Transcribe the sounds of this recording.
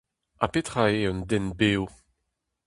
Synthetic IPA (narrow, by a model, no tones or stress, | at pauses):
apet̪χaeɔnd̪ɛnbeːo